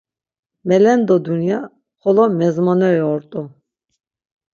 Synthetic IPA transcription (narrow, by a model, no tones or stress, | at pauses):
mɛlɛnd̪ɔd̪unija | χɔlɔmɛzmɔnɛɛɔɾt̪ʼu